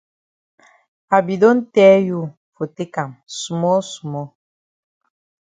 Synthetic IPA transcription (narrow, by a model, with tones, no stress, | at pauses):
a˨bi˨do˦n̩˦tɛː˦ju˦˨ | fo˨te˦ka˨msu˨mɔ˦su˨mɔ˦